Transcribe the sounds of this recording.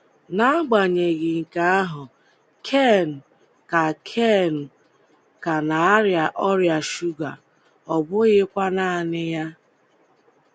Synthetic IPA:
na˦a˦ɡ͡ba˨ɲe˨ɣɪ˨ŋ̩˨ka˦a˦ɦʊ˨ | kʰe˦˨n̩˨ | ka˨kʰe˦˨n̩˨ | ka˨na˨a˦ɾja˨ʔɔ˦ɾja˨ʃu˦ɡa̰˨ | ɔ˨bʊ˦ɣɪ˦kʷa˦na˨nɪ˦ja˦

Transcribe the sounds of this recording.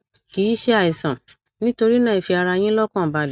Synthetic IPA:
ki˨˦i˦ʃe˦a˧˨i˨sã˨ | nĩ˦to˧ɾi˦nãː˦˨i˨fi˧a˧ɾa˧j̃ĩ˦lɔ˦kã˦˨ba˨l

